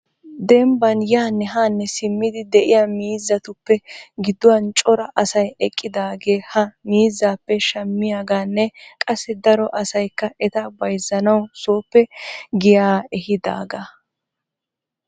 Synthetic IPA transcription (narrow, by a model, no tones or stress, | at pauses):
d̪ɛmbɐnjaːnːɛɦaːnːɛsɪmːɪd̪ɪd̪ɛʔɪjaːmiːzːɐt̪ʊpːɛɡɪd̪ːʊwɐnt͡ʃʼɔɾɐʔɐsɐjɛkʼːɪd̪aːɡe̞ːhɐmiːzːaːpːɛʃɐmːɪjaːɡaːnːɛkʼɐsːɪd̪ɐɾɔʔɐsɐjkːɐʔɛt̪ɐbɐjzːɐnɐwso̞ːpːɛɡɪjaːɛhɪd̪a̰ːɡa